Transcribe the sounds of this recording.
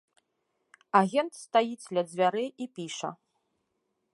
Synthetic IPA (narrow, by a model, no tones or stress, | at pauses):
aɣʲɛnt̪st̪ajid͡zʲlʲɐd͡zʲvʲaɾɨʔipʲiʂɐ̰